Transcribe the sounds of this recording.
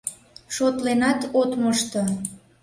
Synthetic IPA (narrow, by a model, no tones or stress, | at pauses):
ʃot̪lenɑt̪ot̪məʃt̪o